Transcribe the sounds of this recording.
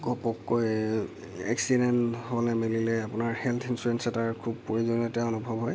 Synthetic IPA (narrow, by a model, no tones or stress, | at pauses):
kɔpɔkːoj | ɛ̰ksidɛnholɛmililɛapʊnaɹhɛlt̪ʰinsuɹɛnsɛtaɹkʰub̚poɹizonɔtɛɔnubʱɔbɦɔj